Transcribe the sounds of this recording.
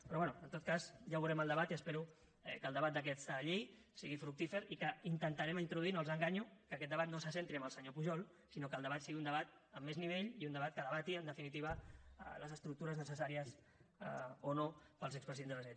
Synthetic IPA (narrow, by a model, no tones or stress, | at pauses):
pɾɔβwɛnuənt̪ot̪̚kazʒaβuɾɛməlˠd̪əβat̪iəspeɾu | ɛ̰kəlˠd̪əβat̪̚d̪ək̬ɛsəʎejsiɣifɾuk̚t̪ifeɾikəint̪ənt̪əɾɛməint̪ɾuðuinolˠzəŋɡaɲukəːkɛt̪̚d̪əβat̪nosəs̬ent̪ɾiəmbəlˠsəɲopuʒɔlˠ | sinokəːlˠd̪əβat̪siɣiund̪əβat̪ | əmːezniβeʎiund̪əβat̪̚kəðəβat̪iənd̪əfinit̪iβ̞ə̰ləzəst̪ɾuk̚t̪uɾəznəsəsaɾiəs | onopəlzɛkspɾəziðenzðələzɛ